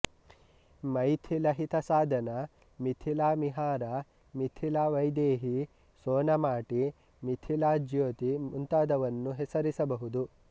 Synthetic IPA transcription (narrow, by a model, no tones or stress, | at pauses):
mɐjt̪ʰilɐɦit̪ɐsaːd̪ʱɐnɐ | mit̪ʰilaːmiɦaːɾa | mit̪ʰilaːʋɐjd̪eːɦi | soːnɐmaːʈi | mit̪ʰilaːd͡ʒjoːt̪imunt̪aːd̪ɐʋɐnːuɦesɐɾisɐbɐɦud̪u